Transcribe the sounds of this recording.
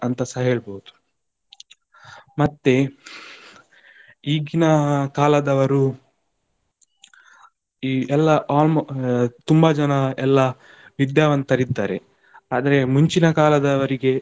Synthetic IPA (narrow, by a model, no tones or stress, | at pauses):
ɐnt̪ɐsɐeːɭboɦud̪u̥ | mɐt̪ːe | iːɡinɐkaːlɐd̪ɐʋɐɾu | iːɛlːɐʔaːlmt̪umbɐd͡ʒɐnɐɛlːɐ | ʋid̪jaːʋɐnt̪ɐɾid̪ːaːɾḛ | aːd̪ɐɾe̞muɲt͡ʃinɐkaːlɐd̪ɐʋɐɾiɡe̞